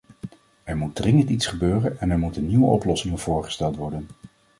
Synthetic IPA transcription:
ɛɹmud̚drɪŋəntitsχəbøːrənɛnɛɹmutənːiʋəʔɔplɔsɪŋv̥ʊːɹχə̥stɛlˠtʋɔɹdən

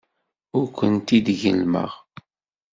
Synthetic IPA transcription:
ʊɾkʷənt̪id̪ʝə̰lmə̰ʁ

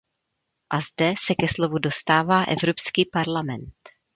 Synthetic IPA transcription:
ʔazdɛsɛkɛslo̞vudo̞st̪aːvaːʔɛ̰vɾo̞pskiːpaɾlamɛnt̪

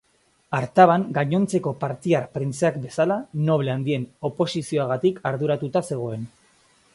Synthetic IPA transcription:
aɾt̪aβ̞aŋɡaɲo̞nt͡se̞ko̞paɾt̪iarpɾint͡seakbe̞salano̞βleand̪ie̞no̞po̞sisio̞aɣ̞at̪ikʰaɾðuɾat̪ut̪ase̞ɣ̞o̞e̞n

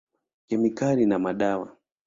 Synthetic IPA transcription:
kɛmikalinamaɗawa

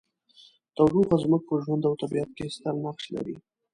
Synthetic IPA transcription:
t̪awɾuɣazmək̚pəʒwand̪awt̪abiat̪̚kest̪almaχʃla̰ɾi

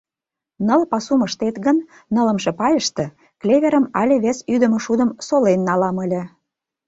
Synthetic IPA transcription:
nəlpɑsuməʃt̪et̪ɣənː | ələ̆mʃĕpɑjəʃt̪ĕ | klʲeβʲeɾəmɑlʲeβesyd̪ə̆məʃud̪ə̆msolenːɑlɑmə̆lʲĕ

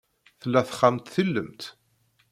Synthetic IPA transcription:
θəlːæθə̥χːamt̪θilːəmt̪

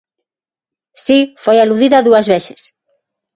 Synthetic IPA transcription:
sifojaluðiðɐðuɐzβesɪ̥s

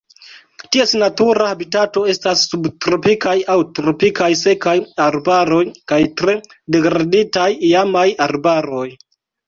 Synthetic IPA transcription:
tiesnatuɾahabitato̞e̞stasːubtɾo̞pikajawtɾo̞pikajse̞kajaɾbaɾo̞jkajtɾe̞ | de̞ɡɾaditajiamajaɾbaɾo̞j

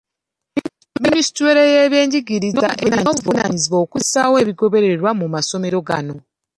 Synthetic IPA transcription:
minisi̥tweɾejeβje̞ːɲɟiɡiɾinoa̰ʔenaɲːuvuna̰ɲiziβo̞ːku̥sawe̞ːβiɡo̞βe̞ɾe̞ɾwamumaso̞me̞ɾo̞ɡa̰no̞

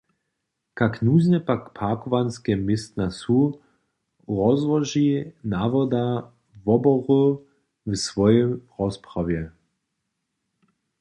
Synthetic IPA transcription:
kaknuːznɛpakpʰakɔvanskɛmɪst̪nasu | ʁɔzvɔʒinavɔd̪a | vɔbɔʁu | vsvɔjɛmʁɔspʁavjɛ

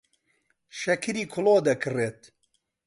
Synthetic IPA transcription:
ʃɐkʰɨɾiːkʰʊlˠoːd̪ɐkʰɨreːt̪̚

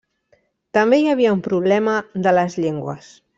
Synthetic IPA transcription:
t̪əmbejaβ̞iəumpɾuβ̞lɛməðələzʎeŋɡwə̰s

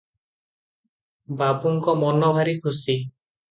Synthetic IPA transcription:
babuŋkɔmɔnɔbʱaɾikʰusi

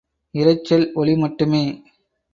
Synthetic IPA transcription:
ɪɾɐɪt͡ʃːɐlɔɭɪmɐʈːɯmeː

